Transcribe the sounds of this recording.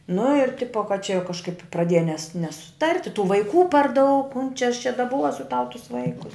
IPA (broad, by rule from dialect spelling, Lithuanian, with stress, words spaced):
nʊ ɪr ˈtʲɪpoː kɐt t͡ʃʲɛ jɛʊ kɐʃˈkɐɪp prɐˈdʲeːjɛ nʲɛs nʲɛsʊˈtɐrʲtʲ ɪ tuː ʋɐɪˈkuː pɐr dɐʊk mʊm t͡ʃʲɛ ɐʃ t͡ʃʲɛ dɐˈbuɔsʲʊ tɐʊ tʊs ˈʋɐɪkʊs